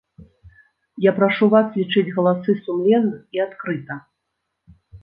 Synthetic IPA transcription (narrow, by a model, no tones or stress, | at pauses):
japɾaʂuvaslʲit͡ʂɨd͡zʲɣɐlˠasɨsumlʲɛnːɨxiat̪kɾɨt̪ɐ